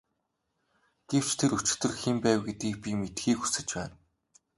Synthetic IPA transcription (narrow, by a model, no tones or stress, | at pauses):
ɡ̥ew̥t͡ɕt̪ʰeɾɵt͡ɕɪ̥̆t̪ɵ̆rxempæːwɡet̪ɡiːk̚pʲimet̪xiːkxu̥sɘ̆t͡ɕpæ̰ːn